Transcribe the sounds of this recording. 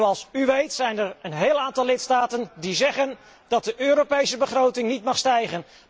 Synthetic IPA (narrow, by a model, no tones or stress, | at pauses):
ɑlˠsyʋejtsɛjnəɹənɦeːlˠaːntɑlɪtstaːtəndizɛχən | d̥ɑt̚dəʔøːɾopejsəbəχrowtɪŋnitmɑχstɛjχən